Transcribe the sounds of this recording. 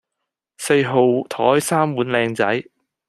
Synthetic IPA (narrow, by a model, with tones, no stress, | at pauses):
se˧jɦo˨˧wt̪ʰɔː˨˥jsaː˥mwuː˨˥nlɛː˧ŋt͡sɐ̰˨˥j